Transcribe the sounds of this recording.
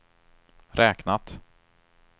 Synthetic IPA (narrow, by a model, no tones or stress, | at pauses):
ɾʔɛːknat̪